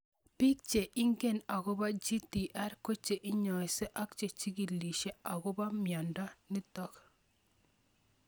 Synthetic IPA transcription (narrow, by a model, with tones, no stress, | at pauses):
pi˦k̚t͡ʃe˨ʔɪ˦ŋɡe˦˨na˨ɣɔ˦ba˦d͡ʒi˦ti˨ʔa˦ɾko˦t͡ʃe˨ʔɪ˦ɲɔ˨ɪ˨se˦ʔa˦k̚t͡ʃe˨t͡ʃi˦ki˨li˨ʃe˦a˨ɣɔ˦ba˦mjɔ˨nda˦ni˦tɔ˦k